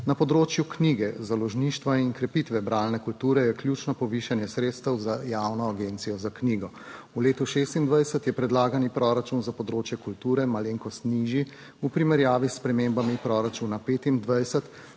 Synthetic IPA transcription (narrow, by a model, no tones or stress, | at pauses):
napɔd̪ɾoːt͡ʃjukniːɡɛzalɔʒniːʃt̪ʋaiŋkɾɛpiːt̪ʋɛbɾaːlnɛkult̪uːɾɛjɛklʲjut͡ʃnɔpɔʋiːʃanjɛsɾeːt̪st̪əwzajaːwnɔaɡent̪sijɔzakniːɡɔ | uleːt̪uʃest̪ind̪ʋajsət̪jɛpɾɛd̪laːɡanipɾɔɾat͡ʃunzapɔd̪ɾoːt͡ʃjɛkult̪uːɾɛmaleːŋkɔst̪niʒi | upɾimɛɾjaːʋispɾɛmembamipɾɔɾat͡ʃunapeːt̪ind̪ʋajsət̪